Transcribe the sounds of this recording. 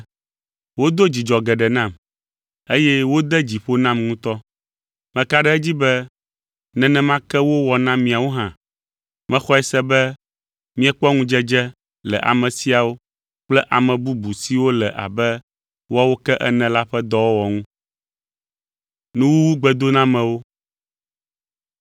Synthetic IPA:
wo˦d̪o˦d͡ʑi˨d͡ʒɔ˨ɡɛ˨ɖɛ˨nã˦˨m | e˦jɛ˦wo˦d̪ɛ˦d͡ʑi˨ɸo˦nã˦mŋũ˦t̪ɔ˦ | mɛ̃˨ka˦ɖɛ˦ɛ˦d͡ʑi˦bɛ˦ | nɛ̃˨nɛ̃˨mã˦kɛ˦wo˦wɔ˨nã˦mĩ˨a˨wo˦ɦã˦ | mɛ̃˦xɔ˦ɛ˨sɛ˦bɛ˦ | mĩ˦ɛ˦k͡pɔ˦ŋũ˦d͡ʒɛ˦d͡ʒɛ˦ | lɛ̰˨ʔa̰˨mɛ̃˨si˦a˨wo˦ | k͡plɛ˦ʔa˨mɛ̃˨bu˦bu˨si˦wo˦lɛ˨ʔa̰˨bɛ˦ | wa˦wo˦kɛ˦ʔɛ˦nɛ̃˨la˦ɸɛ˦d̪ɔ˦wo˦wɔ˨ŋũ˦ | nũ˦wu˦wu˦ɡ͡bɛ˨d̪o˦nã˦mɛ̃˨wo˦

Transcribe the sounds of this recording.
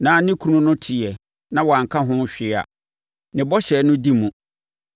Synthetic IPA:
nãː˨˦nɪ̃˦kʰu˦nũ˦nʊ̃˦tʰɪ˨ɛ˨ | nã˦wɔ˨ã˨ŋ̩˨kʰã˦ɦʊ̃˦n˦ɕᶣɪ˦a̰˨ | nɪ̃˨bɔ˦ɕɛ˨˦nʊ̃˦di˦mũ˨

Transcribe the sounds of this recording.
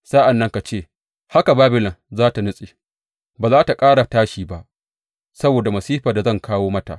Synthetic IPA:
saː˦ʔa˨nːɐ˦ŋka˨t͡ʃeː˦˨ | ha˦ka˨baː˦bɪ˨lɐ˨nzaː˦ta˨nʊ˦sʼeː˨ | baː˨zaː˦ta˨kʼaː˦ɽa˨taː˦ʃiː˨ba˦ʔ | sɐ˦boː˨da˨mɐ˨siː˦ɸaː˨da˨zɐ˦ŋkaː˦woː˦mɐ˦ta̰˨ʔ

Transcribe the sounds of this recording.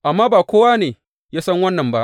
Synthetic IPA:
ʔa˨mːaː˦baː˨kʷoː˦waː˦neː˨ | jaː˦sɐ˦ŋwɐ˦nːɐ˨mba˦ʔ

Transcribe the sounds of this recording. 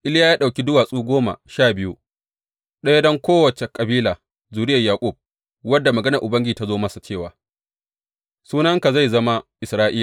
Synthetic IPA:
ʔɪ˦ljaː˦jaː˦ɗa˨wkʲi˦dʊ˦waː˨sʼuː˦ɡʷoː˦ma̰˨ʃaː˦˨bɪ˦ju˦ | ɗɐ˦ja˦dɐ˦ŋkʷoː˦wɐ˨t͡ʃe˨kʼɐ˨biː˦laː˨ | zuː˨ɽɪ˦jɐ˨jaː˨kʷʼʊ˦˨b̚ | wɐ˦dːa˨mɐ˨ɡɐ˦nɐ˨ʔʊ˨bɐ˦ŋɡʲi˦˨ta˦zoː˦mɐ˦sa˨t͡ʃeː˦˨waː˨ | suː˦nɐ˦ŋka˨za˦˨jzɐ˦ma˦ʔɪ˨sɾaː˦ʔiː˦la˨

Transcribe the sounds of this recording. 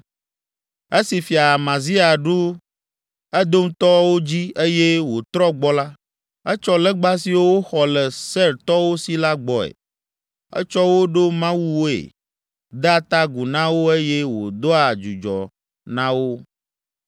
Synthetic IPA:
e˦si˨fi˨a˨mã˨zi˦a˨ɖu˦ | ɛ˦d̪o˦ŋ̩˦t̪ɔ˦wo˦d͡ʑi˦e˦je˦wo˨t̪ɾɔ˦ɡ͡bɔ˦la˦ | ɛ˦t͡ʃɔ˦lɛ˦ɡ͡ba˦si˨wo˦wo˦xɔ˨lɛ˨sɛ˦ɾt̪ɔ˦wo˦si˨la˦ɡ͡bɔ˨ḛ˨ | ɛ̰˦t͡ʃɔ˦wo˦ɖo˦mã˦wu˦wo˦ḛ˨ | d̪a˦t̪a˦ɡu˨nã˦wo˦e˦jɛ˦wo̰˨d̪o˦a˨d͡ʒu˨d͡ʒɔ̰˨ | nã˦wo˦

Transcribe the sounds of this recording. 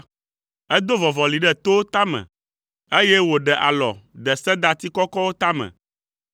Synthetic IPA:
ɛ˦d̪o˦vɔ˨vɔ˨li˨ɖɛ˦˨t̪o˦t̪a˦mɛ̰̃˨ | e˦jɛ˦wo˨ɖɛ˨ʔa̰˨lɔ̰˨d̪ɛ˨sɛ˦d̪a˦t̪i˦kɔ˦kɔ˦wo˦t̪a˦mɛ̰̃˨

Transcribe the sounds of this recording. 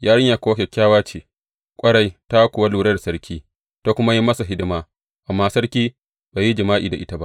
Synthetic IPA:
jʔaː˦ɽɪ˦ɲja˨kʷoː˦kʲe˨kʲːaː˦waː˦t͡ʃeː˨ | kʷʼɐ˦ɽa˨jta˦kʷʊ˨wa˦luː˨ɽɐ˦rsɐ˦ɽkʲʰiː˦ | ta˦kʷʊ˦ma˦ji˦mɐ˦sa˨ɦɪ˦dɪ˦maː˦ | ʔa˨mːaː˦sɐ˦ɽkʲiː˦ | ba˨jːi˦d͡ʒɐ˨maː˦ʔḭː˨da˨ʔɪ˦ta˦ba̰˦ʔ

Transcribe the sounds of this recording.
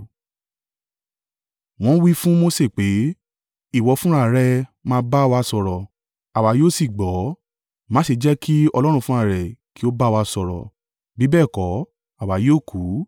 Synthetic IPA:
w̃ɔ̃˧˦wi˦fũ˦mo˦se˦˨k͡pe˨˦ | i˦˨wɔ˧fũ˦ɾ̃a˦˨ɾɛ˧mãː˦ba˦˨˧wa˧˦sɔ˧ɾɔ˨ | a˨wa˨˦joː˦˨si˦˨ɡ͡bɔ˨˦ | mãː˨˦si˧d͡ʒɛ˦kʰi˦ɔ˧lɔ˦ɾ̃ũ˧fũ˦a˦˨ɾɛ˨ki˨˦o˦ba˦˧wa˧sɔ˧ɾɔ̰˨ | bi˨˦bɛː˦˨kɔ˨˦ | a˨wa˨˦joː˦˨kʰu˨˦

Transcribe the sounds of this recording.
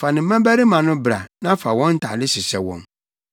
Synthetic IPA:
fa˨nɪ̃˨m̩˦mɛ̃˦bæ˦ɾi˦mã˨nʊ̃˦bɾa̰˨nã˦fa˨wɔ̃˦n̩˦tʰa̰˨dɪ˦sɪ˨sɛ˨wɔ̰̃˨m

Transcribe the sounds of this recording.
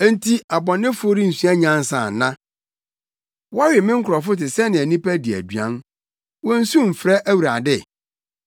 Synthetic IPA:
e˦n˦tʰi˦a˨bɔ̃˨nːɪ̃˦fo˦ɾi˦n̩˨sɥa˦ɲã˦n˦sã˨nã˦ | wa˦ɾɪ˨mɪ̃˦ŋ̩˦kʰʊ˨ɾɔ˨fʊ˦tɪ˨sɛ˦nɪ̃˨æ˨nĩ˦pæ˦di˨æ̰˨dɥã̰˦n | wɔ̃˦n̩˦sũ˦m̩˨fɾɛ˦ʔæ˦wu˨ɾa˨dɪ˦˨

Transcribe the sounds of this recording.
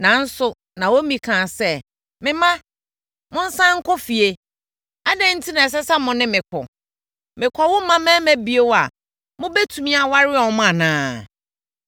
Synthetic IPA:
nã˨n̩˦sʊ˨ | nã˨wo˦mĩ˨kʰã˨sɛ˦ | mɪ̃˦mã˦ | mʊ̃˦n̩˦sã˦ŋ̩˦kʰɔ˦fi˨e˨ | a˦dɛ̃˦n̩˦tʰi˦nã˨ɛ˨s̬ɛ˦sa˦mʊ̃˨nɪ̃˦mɪ̃˨kʰɔ̰˨ | mɪ̃˨kʷʰɔ˨wʊ̃˦mã˦mɛ̃˦mæ̃˦bi˨e˦wa˨ | mʊ̃˦bɛ˦tʰũ˨mĩ˦a˨wa˦ɾɪ˦ɔ˨˦m˦ã˨nãː˦

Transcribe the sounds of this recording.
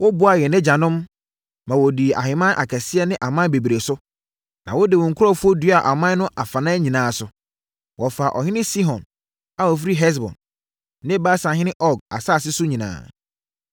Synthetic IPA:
wɔ˦bʊ˦a˨jɛ˨nɪ̃˦d͡ʑa˨nʊ̃˦mː | ã˨wɔ˨di˨ʔa̰˨ɦɪ˨mã˦ʔa̰˨kʰɛ˨sɪ˦ɛ˦nɪ̃˦ʔa˨mã˦be˨bi˨ɾe˨sʊ˦ | nã˨wɔ˦dɪ˨ʊ̃˨ŋ̩˨kʰʊ˦ɾɔ˦fu˦o˦dɥa˨ʔa˨mã˦n˦nʊ̃˦ʔa˨fa˨nã˦ɲĩ˨nãː˨˦sʊ˨ | wɔ˨fa˨ʔɔ̰˨ɦɪ̃˦nɪ̃˦si˦ɦɔ̃˨n | a˨wɔ˨f̬i˦ɾi˦ɦɛ˦s̬bɔ̰̃˨nː | ɪ̃˦ba˦sã˨ɦɪ̃˦nɪ̃˦ʔɔ˦ɡa̰˨saː˦˨s̬ɪ˦sʊ˦ɲĩ˨nã̰ː˨˦˨

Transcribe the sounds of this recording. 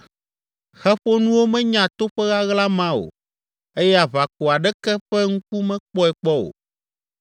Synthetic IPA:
xɛ˦ɸo˦nũ˦wo˦mɛ̃˦ɲã˨t̪o˦ɸɛ˦ɣa˦ɣla˦mã˦o̰˨ | e˦jɛ˦a˨βa˨ko˨a˨ɖɛ˦kɛ˦ɸɛ˦ŋũ˦k̚u˦mɛ̃˦k͡pɔ˦ɛ˨k͡pɔ˦o̰˨

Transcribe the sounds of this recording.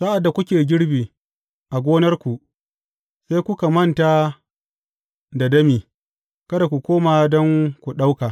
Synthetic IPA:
sa˦ʔa˨dːa˨kʷʊ˦kʲeː˨ɡʲɪ˦ɽbiː˨ | ʔa˨ɡʷoː˦nɐ˦rkʷu˨ʔ | seː˦kʷʊ˦ka˨mɐ˦nta˨ | da˨dɐ˦miː˨ | kɐ˦da˨kʷu˨kʷoː˦maː˨dɔ˦ŋkʷu˨ɗa˦wka˨

